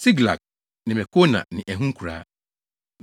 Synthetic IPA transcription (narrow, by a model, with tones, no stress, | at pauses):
si˦ɡla̰˨k̚ | nɪ̃˨mɛ˨kʰo˦nã̰˨nɪ̃˨ʔɛ˨ɦũ˦ŋ̩˦kʰu˨ɾa̰ː˦